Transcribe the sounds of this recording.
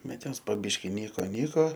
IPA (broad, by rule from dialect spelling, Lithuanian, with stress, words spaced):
ˈbʲɛt ˈjoːs poː ˈbʲɪʃʲkʲɪ ˈnʲiːkoː ˈnʲiːkoː